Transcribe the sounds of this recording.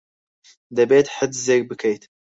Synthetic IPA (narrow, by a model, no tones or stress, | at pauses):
d̪ɐbeːt̪ħəd̪zeːk̚bɨkʰejt̪